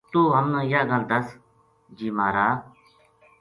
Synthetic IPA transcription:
t̪uːɦəmnãːɪjaːɡəld̪əs | d͡ʒiːmaːɾaː

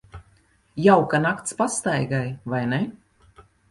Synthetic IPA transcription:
jawkanakt̪spast̪ajɡajvajne

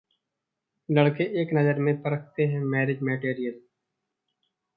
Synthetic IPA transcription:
ləɽkeʔeːknəzəɾmẽpəɾəkʰt̪eɦɛ̃ːmɛːɾɪd͡ʒmeːʈeːɾijəl

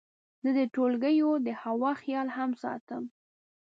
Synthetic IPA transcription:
zəd̪əʈolɡəjod̪əhawɑxjɑlhamsɑ̰t̪əm

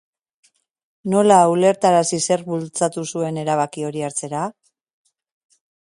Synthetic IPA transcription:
no̞laule̞ɾt̪aɾasise̞rβult͡sat̪usue̞ne̞ɾaβ̞akio̞ɾiaɾt͡se̞ɾa

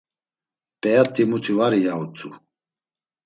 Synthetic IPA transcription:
pʼɛjat̪ʼimut̪ʰivaɾijaut͡sʼu

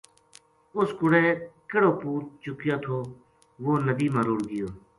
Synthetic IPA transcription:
ʊskʊɽeːkəɽoːpuːɾ̚t͡ʃʊkjaːt̪ʰoː | ʋoːnəbiːmãːɾʊɽɡɪjoː

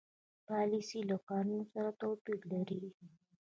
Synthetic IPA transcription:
palisilokanusaɾat̪opiklaɾi

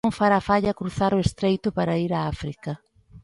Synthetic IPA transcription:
ŋfaɾafaʎɐkɾuθaɾʊest̪ɾejt̪ʊpaɾaiɾaafɾikɐ

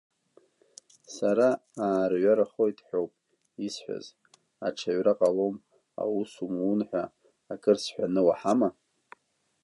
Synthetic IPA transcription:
saɾaaːrɥaɾaχojtʼħʷᶣowpʼ | isħʷᶣa̰z | aʈ͡ʂʰaɥraqʼalom | a̰wusumunħʷᶣaː | kʼɨrsħʷᶣanɨwaħama

